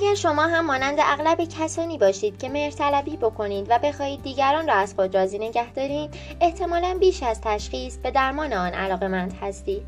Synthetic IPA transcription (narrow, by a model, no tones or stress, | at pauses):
æɟæɾʃo̞mɒːɦæmːɒːnænd̪eʔæɣlæbecʰæsɒːniːbɒːʃiːd̪̥cʰe̞me̞ɾt̪ʰælæbiːbokʰo̞niːd̪væbe̞xɒːiːd̪ːiːɟæɾɒːnrɒːæzxo̞d̪ɾɒːziːne̞ɟæhd̪ɒːɾiːm | e̞ht̪ʰe̞mɒːlænbiːʃæzt̪ʰæʃχiːsb̥e̞d̪æɾmɒːneɒːnʔæ̰lɒːɣe̞mænd̪̥hæst̪iːd̪